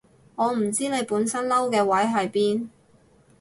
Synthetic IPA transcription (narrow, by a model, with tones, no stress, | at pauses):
ŋɔː˨˧m̩˨˩t͡siː˥ne˨˧jpuː˨˥nsɐ˥nlɐ˥wkɛː˧wɐ˨˥jɦɐ˨jpiː˥n